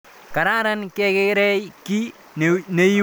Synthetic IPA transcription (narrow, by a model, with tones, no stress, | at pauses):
ka˨ɾa˦ɾa˦nke˦ke˦ɾɛ˦jki˦ | ne˦